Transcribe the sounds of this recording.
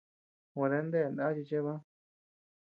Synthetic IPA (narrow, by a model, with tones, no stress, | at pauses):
wa˨˧ðe˧˦nd̪e˦˨nã˦t͡ʃi˧t͡ʃe˦βã˦